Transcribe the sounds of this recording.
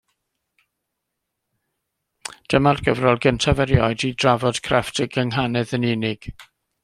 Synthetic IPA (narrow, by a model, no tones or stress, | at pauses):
d̥əmarɡ̥əvrɔlˠɡəntʰavɛɾjɔɨdidravɔd̥kʰrɛftʰəɡəŋɦanɛðənɪnɪɡ̥